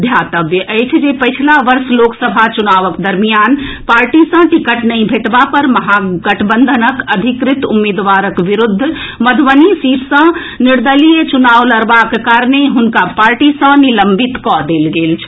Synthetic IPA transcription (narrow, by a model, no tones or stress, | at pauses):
d̪ʱjat̪əbjəʔəjt͡ʃʰd͡ʒepəɪt͡ʃʰlaʋəɾsloksəbʱat͡ʃunaʋəkd̪əɾmijanpaɾʈisə̃ʈikəʈnəɪ̃bʱeʈbapəɾməɦaɡəʈʰbənd̪ʱənəkəd̪ʱikɾit̪umːed̪ʋaɾəkʋiɾud̪ʱː | məd̪ʱʋənisipʰsə̃ | niɾd̪əlijet͡ʃunaʋləɾbakkaɾneɦunkapaɾʈisə̃niləmbʱit̪kɔd̪elɡelt͡ʃʰ